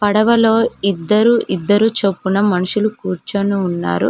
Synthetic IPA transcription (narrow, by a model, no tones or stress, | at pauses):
pɐɽɐʋɐlo̞ːid̪ːɐɾuʔid̪ːɐɾut͡ʃopːunɐmɐnuʂulukuːɾt͡ʃɐnuːnːa̰ːɾṵ